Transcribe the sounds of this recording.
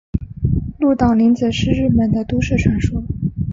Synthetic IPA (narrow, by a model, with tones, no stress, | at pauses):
lu˥˩t̪ɑ˨˩ʊli˧˥nt͡sə˨˩ʂɻ̩˥˧ɻɻ̩˥˩mə˨˩nd̪ə˧t̪u˥ʂɻ̩˥˩ʈ͡ʂʰwa˧˥nʂɔ˥